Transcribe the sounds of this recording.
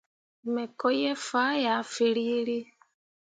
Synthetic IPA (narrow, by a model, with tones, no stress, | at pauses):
me˨kɔ˦je˦fa˦ja˨fi˨li˦li˦